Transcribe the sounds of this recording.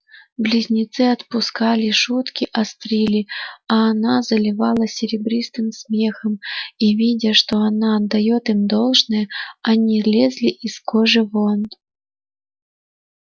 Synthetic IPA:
blʲizʲnʲɪt̪sɨɐt̪pʊskalʲɪʂut̪kʲiʔɐst̪ɾʲilʲiaːnazəlʲɪvalˠəsʲɪɾʲɪbɾʲist̪ɨmsmʲe̞xəmivʲidʲəʂt̪o̞anaɐd̪ːɐjot̪imd̪o̞lˠʐnəjəɐnʲilʲezʲlʲiʔiskoʐɨvont̪

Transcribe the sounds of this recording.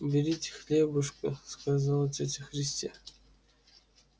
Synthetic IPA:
bʲɪɾʲitʲxlʲebɨʂkʼɨskazalˠtʲetʲɪxɾʲɪsʲtʲḛ

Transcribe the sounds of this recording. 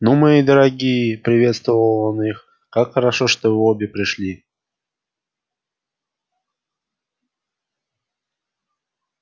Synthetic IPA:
numaid̪əɾɐɡʲijəpɾʲɪvʲe̞t̪st̪vəvəlˠonix | kakxəɾɐʂoʂt̪oobʲɪpɾʲɪʂlʲi

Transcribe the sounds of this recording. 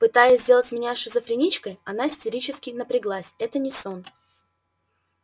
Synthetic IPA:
pɨt̪ajɪsʲzdʲe̞lˠətʲmʲɪnʲaʂɨzəfɾʲɪnʲit͡ɕkəjɐnaɪsʲtʲɪɾʲit͡ɕɪskʲɪjnəpɾʲɪɡlˠasʲɛt̪ənʲɪson

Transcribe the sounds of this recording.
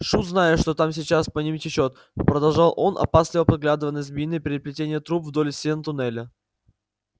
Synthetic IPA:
ʂut̪znajɪt̪ʂt̪o̞t̪amsʲɪt͡ɕaspɐnʲimʲɪtʲɪt͡ɕo̞t̪ | pɾəd̪ɐlˠʐɑlˠʔo̞nʔɐ̰paslʲɪvəpɐd̪ɡlʲad̪ɨvənːəsʲt̪bʲinːɨpʲɪɾɪɾʲɪplʲɪtʲenʲɪjət̪ɾupvd̪o̞lʲɪsʲent̪ʊnɛlʲə

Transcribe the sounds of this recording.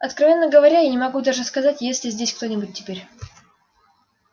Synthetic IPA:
ɐt̪kɾɐvʲe̞nːəɡəvɐɾʲainʲɪmɐɡud̪aʐɨskɐzatʲjesʲlʲɪzʲdʲesʲkt̪o̞nʲɪbʊt̚ʲtʲːɪ̥pʲeɾʲ

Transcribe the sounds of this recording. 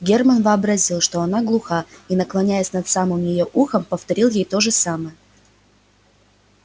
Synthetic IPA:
ɡʲermənvɨɐbɾɐzʲilˠʂt̪oɐn̪aɡlˠʊxainəklˠɐnʲæjɪsʲnɐt̪samɨmjɪjoʔuxəmpəft̪ɐɾʲilˠjejt̪o̞ʐɨsamɨjə

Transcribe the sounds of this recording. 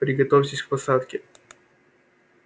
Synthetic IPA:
pɾʲɪɡɐt̪ofʲtʲɪsʲkpɐsat̪kʲɪ

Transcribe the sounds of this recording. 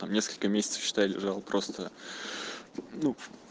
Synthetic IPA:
t̪amnʲe̞skəlʲkəmʲesʲɪt̪sə̥fɕɪ̥t̪ajlʲɪ̰ʐalˠpɾʔo̞st̪ə | nu

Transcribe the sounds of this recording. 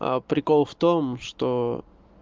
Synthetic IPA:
a̰pɾʲɪkolˠft̪omʂt̪o

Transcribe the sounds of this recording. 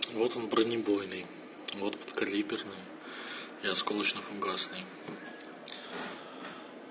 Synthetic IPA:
vot̪onbɾənʲɪbojnɨj | vot̪pə̥t̪kɐlʲibʲɪrnɨj | ɪɐskolˠət͡ɕnəfʊŋɡasnɨj

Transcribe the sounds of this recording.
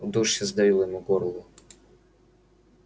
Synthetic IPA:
d̪uʂɐzd̪ɐvʲilˠjɔmuɡɔrlˠʊ

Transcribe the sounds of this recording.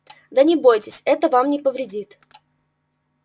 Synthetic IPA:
d̪ənʲɪbo̞jtʲɪsʲɛt̪əvamnʲɪpəvɾʲɪdʲit̪

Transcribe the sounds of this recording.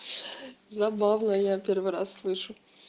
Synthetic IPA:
zɐbavnəjapʲervɨɾa̰sːlˠɨʂʊ

